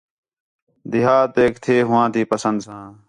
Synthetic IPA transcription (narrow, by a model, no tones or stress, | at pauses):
d̪ɪɦaːt̪eːkt̪ʰeːɦʊʋãːt̪iːpəsənd̪sãː